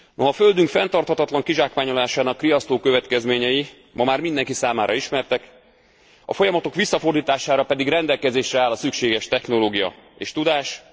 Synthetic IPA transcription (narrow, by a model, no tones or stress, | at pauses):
no̞ɦɒføld̪yŋkfɛnt̪ɒrt̪hɒt̪ɒt̪lɒŋkiʒaːkʋaːɲolaːʃaːnɒkrijɒst̪oːkøvɛt̪kɛzmeːɲɛji | mɒmaːrmind̪ɛŋkisaːmaːɾʔɒiʃmɛrt̪ɛk | ɒ̰fo̞jɒmɒt̪o̞kʋisːɒfo̞rd̪iːt̪aːʃaːɾɒpɛd̪iɡrɛnd̪ɛlkɛzeːʃrɛaːlːɒsykʃeːɡɛʃt̪ɛxno̞loːɡijɒ̰eːʃt̪ud̪aːʃ